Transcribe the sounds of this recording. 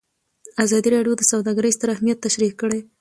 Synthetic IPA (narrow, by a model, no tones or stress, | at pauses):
azɑd̪iɾɑɖjod̪əsawd̪ɑɡəɾəjst̪əɾahmijat̪ːaʃɾikəɽe